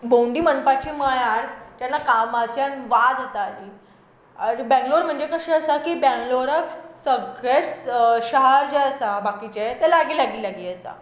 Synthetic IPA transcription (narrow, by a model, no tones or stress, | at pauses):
bowɳɖiːmənpat͡ɕiːməjaɾt̪janːakamasjanʋad̪ɦot̪aːd̪i | ɾbɛ̃ŋɡloɾm̤əɳd͡ʑekəɕẽəsakiːbɛ̃ŋɡloɾəksəɡet͡sɕəɦaɾd͡ʑɛəsabakit͡ɕet̪ɛlaɡiːlaɡiːlaɡiːəsa̰